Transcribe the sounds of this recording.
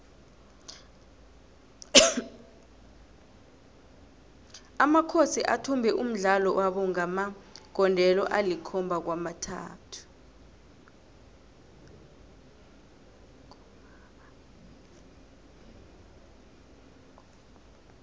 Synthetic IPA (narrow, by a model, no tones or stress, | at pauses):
amakʰosiʔatʰumbʱɛʔum̩ɮalɔwʔaɓɔŋamaɡ̥ʱɔndʱɛlɔ̰ʔalikʰɔmbʱak̬wamatʰa̰ːtʰu̥